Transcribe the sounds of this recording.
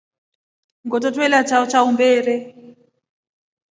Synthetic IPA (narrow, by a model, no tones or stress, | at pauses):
ŋɡɔtɔtwɛlat͡ʃat͡ʃaumbɛːɾɛ